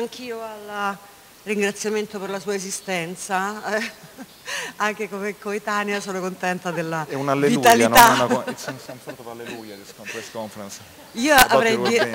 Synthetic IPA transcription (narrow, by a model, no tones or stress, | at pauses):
aŋk̟ʰiːoal | riŋɡɾat̪sːjament̪operlasuːaezist̪ɛnt̪sa | aŋk̟ekomekːoet̪anjasoːnokont̪ɛnt̪ad̪elːaɛunalːeviut̪alinaɛnaksnsonfɔt̪opalːelujad̪iskɔmfɾɛskɔɱfɾɛns | iːoavɾɛj